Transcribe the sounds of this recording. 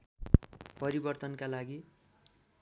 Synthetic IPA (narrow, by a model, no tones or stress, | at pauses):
pʌɾibʌrt̪ʌnkalaɡi